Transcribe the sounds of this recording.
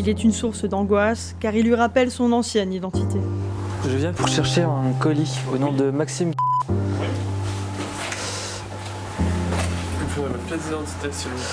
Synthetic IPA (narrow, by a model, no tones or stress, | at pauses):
ilɛt̪ynsuʁsd̪ɑ̃ɡwas | kaʁilːɥiʁapɛlsɔ̃nɑ̃sjɛnid̪ɑ̃t̪it̪ekʒəvjɛ̃puʁʃɛʁʃeɛ̃kɔlionɔ̃d̪əmaksim | pmpezid̪ɑ̃t̪t̪esɔ̃